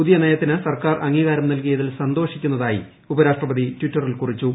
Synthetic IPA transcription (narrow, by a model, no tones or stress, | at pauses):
puðijɐnejɐt̪ːinɨsɐrkaːrʔɐŋːiɣaːɾɐmnɐlkijɐðilsɐnd̪o̞ːʂikʲːunːɐðaːjḭ | ubɐɾaːʂʈrɐbɐðitʋitːɐrilkurit͡ɕːu